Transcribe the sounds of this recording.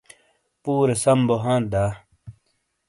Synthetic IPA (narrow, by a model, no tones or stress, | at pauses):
puːɾesɐmboɦãːd̪aː